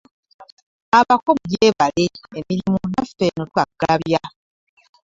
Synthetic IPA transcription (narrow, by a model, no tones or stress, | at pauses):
aβakomujeːβaleemiɾimunafenotwaɡaβja